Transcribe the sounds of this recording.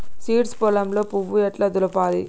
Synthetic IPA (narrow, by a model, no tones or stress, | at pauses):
siːʈspɔlɐmloːpuʋːujɐʈlɐd̪ulɐpaːlḭ